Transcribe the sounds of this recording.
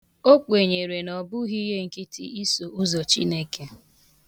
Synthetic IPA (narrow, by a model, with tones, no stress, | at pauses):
o˦k͡pe˨ɲe˨ɾe˨nɔ˨bʊ˦ɣi˦ɦe˦ŋ̩˨ki˦tḭ˦i˦so˨u˦zɔ˨t͡ʃḭ˦ne˦ke˨